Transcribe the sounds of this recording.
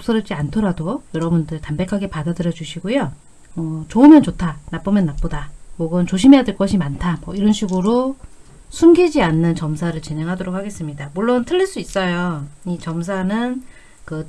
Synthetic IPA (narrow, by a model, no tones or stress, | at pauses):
ʌk̚s͈ʌɾʌp̚t͡ɕ͈iantʰʌɾadojʌɾʌbundɯɭtambe̞kʰaɡe̞padadɯɾjʌd͡ʑuɕʰiɡojo | ʌt͡ɕoɯmjʌnt͡ɕotʰanap͈ɯmjʌnːap͈odamoɡɯnt͡ɕoɕʰimejadweɭk͈ʌɕʰimantʰamwʌiɾʌnɕʰiɡɯɾo | sʰumɡid͡ʑianːɯnt͡ɕʌmsʰaɾɯɭt͡ɕineŋɦadoɾok̚hʰaɡe̞s͈ɯmɲidamuɭːontʰɯʎːiɭs͈uis͈ʌjoit͡ɕʌms̬ʰanɯn | kɯ